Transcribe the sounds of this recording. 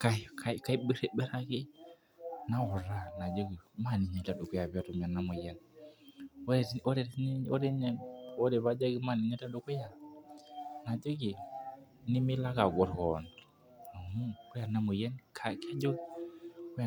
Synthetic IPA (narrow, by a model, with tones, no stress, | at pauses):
ka˦ka˦i˦ka˦i˦bi˦ɾe˦be˦ɾa˦ki˦ | na˦wɔ˨ɾa˦˨na˨d͡ʒo˦ɡi˨ma˦˨ni˨ɲe˨ta˨du˨ku˦ja˨ba˦tu˨m˨a˨na˦mu˨je˦n | o˦˨˦o˦de˨˦ni˦o˦de˦ɲe˨o˦de˨ba˦d͡ʒa˦ɡi˦ma˦˨ni˨ɲe˦ta˦du˨ku˦ja˨ | na˨d͡ʒo˦ɡi˨ | ni˦mi˦la˦ɡa˨ɡo˨ɾho˨n | na˨mu˦ku˦ja˨na˦mu˨je˦nkʰa˨ke˦d͡ʒo˦ɡi˨ku˦ja˨